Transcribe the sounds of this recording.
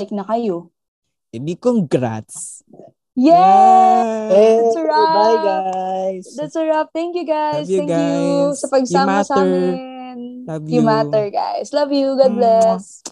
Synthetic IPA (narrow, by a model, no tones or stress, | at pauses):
ɪk̚nɐkɐjo | ɛbikoŋɡɾa̰t̪s | jɛ | sɹbaɡajsd̪ɐt̪sɐɹap̚t̪ɛ̃ŋkjuɡajsɛ̃ŋkjusɐpɐɡ̚saːmɐsaːmɪnjumat̪ɛɹɡa̰jslɐvjuɡʊd̪̚blɛs